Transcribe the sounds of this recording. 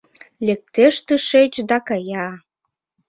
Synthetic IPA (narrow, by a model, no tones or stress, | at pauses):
lek̚t̪eʃt̪eʃet͡ɕd̪ɑkɑjɑ